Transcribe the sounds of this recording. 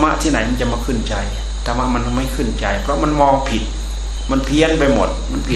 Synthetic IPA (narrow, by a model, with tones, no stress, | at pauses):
ma˦˥ʔt̪ʰiː˥˩na˩˦jma˧nt͡ɕa˨˩ʔmaː˧kʰɯ˧˥˩nt͡ɕa˧j | t̪ʰaː˧ma˧˥˩ma˧n˧ma˥˩jkʰɯ˧˥˩nt͡ɕa˧jpʰɾɔ˦˥ma˧nmɔː˧ŋpʰi˨˩t̪̚ | ma˧npʰi˧˥ənpa˧jmo˨˩t̪̚ma˧npʰi˨˩